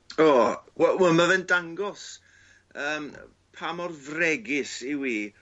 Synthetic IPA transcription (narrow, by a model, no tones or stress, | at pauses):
oːwɛwɛmavɛndaŋɡɔs | əːm | pʰamɔrvrɛɡɪsiwiː